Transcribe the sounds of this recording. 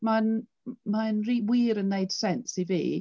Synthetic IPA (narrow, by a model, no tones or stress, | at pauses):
man | manriːwiːɾənːeɨd̥sɛnsivḭː